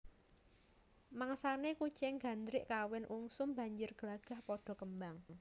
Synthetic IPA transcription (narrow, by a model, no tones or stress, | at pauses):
maŋsaneku̥t͡ʃɛŋɡa̤nd̪ɾɪʔkawɪnʔuŋsʊmba̤ɲd͡ʒɪrɡ̥əlaɡ̥a̤hpɔɖ̥ɔ̤kəmbaŋ